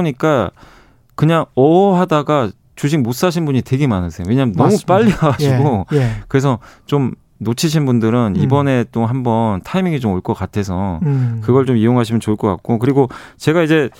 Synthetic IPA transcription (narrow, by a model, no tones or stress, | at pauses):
ɲik͈a | kɯɲaŋʌɦadaɡa | t͡ɕuɕ̬ʰiŋmos͈aɕʰinbuɲitwe̞ɡe̞manɯsʰe̞owe̞ɲamnʌmup͈aʎːiaɡaɕiɡokɯɾe̞s̬ʰʌt͡ɕom | not͡ɕʰiɕ̬ʰinbundɯɾɯnibʌne̞t͈oɦambʌntʰaimiŋit͡ɕomoɭk͈ʌk͈atʰe̞sʰʌkɯɡʌɭt͡ɕomijoŋɦaɕʰimjʌnt͡ɕoɭk͈ʌk͈a̰k̚k͈okɯɾiɡot͡ɕe̞ɡaid͡ʑe̞